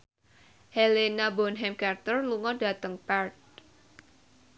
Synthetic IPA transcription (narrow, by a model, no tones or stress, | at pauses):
hɛlenabɔnɦɛmkart̪ərluŋɔda̤t̪əŋpɛrt̪̚